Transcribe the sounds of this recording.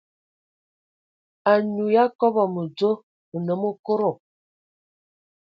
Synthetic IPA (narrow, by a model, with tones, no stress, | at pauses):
a˨ɲu˨ja˦kɔ˦bɔ˨mə˨d͡zo˦ | ə˨nə˨˦mo˦ko˦ɾo˨